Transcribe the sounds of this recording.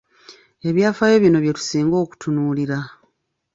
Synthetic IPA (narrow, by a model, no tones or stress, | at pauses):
e̞βjaːfaːjo̞βjino̞βje̞tu̥siːŋɡo̞ːku̥tʰunuːliɾa